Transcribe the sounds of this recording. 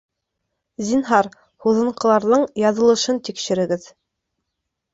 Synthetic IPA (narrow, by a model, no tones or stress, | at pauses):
zinɦɑɾ | huðɤ̆ɴqɤ̆lˠɑɾðɤɴjɑðɤ̆lˠɤ̆ʃɤnt̪ikʃɘ̆ɾɘ̆ɡɘð